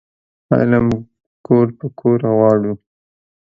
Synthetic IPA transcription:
a̰lam | koɾpəkʰoɾawɑɽu

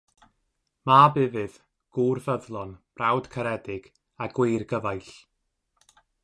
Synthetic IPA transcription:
mabɪvɨð | ɡ̥uːrvəðlˠɔnb̥rawd̥kʰəɾɛdɪɡ̥ | aɡwɪjrɡəvajɬ

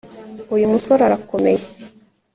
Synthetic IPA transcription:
ojimusɔɾaɾakːomej

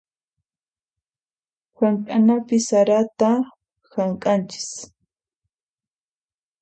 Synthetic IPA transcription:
xaŋkʼanapɪsaɾat̪a | xaɴkʼant͡ʃɪ̥s

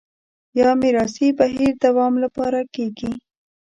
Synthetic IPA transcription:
jɑmɪɾɑsibaɦiɾd̪awɑmlapɑɾakeɡi

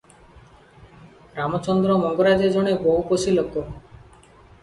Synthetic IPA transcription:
ɾamɔt͡ʃɔnd̪ɾɔmɔŋɡoɾad͡ʑed͡ʒoɽ̃eboukosiloko

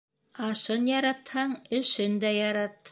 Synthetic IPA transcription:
ɑʃɤnjɑɾɑt̪hɑɴɘ̆ʃɘnd̪æjɑɾɑt̪

